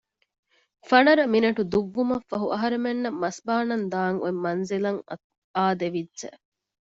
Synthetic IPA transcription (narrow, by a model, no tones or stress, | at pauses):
fɐnɐɾɐminɐʈud̪uʋːumɐfːɐɦuʔɐɦɐɾemenːɐmːɐsbaːnɐnd̪aːŋṵemːɐnzilɐŋ | aːd̪eʋidːʒe